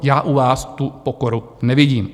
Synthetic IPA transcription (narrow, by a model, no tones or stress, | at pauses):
jaːʔuvaːst̪upokoɾu | nɛvɪɟiːm